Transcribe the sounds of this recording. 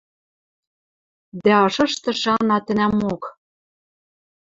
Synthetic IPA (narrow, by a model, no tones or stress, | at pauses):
d̪æɤ̆ʃɤ̆ʃt̪ɤ̆ʃɑnɑt̪ɘ̆næmok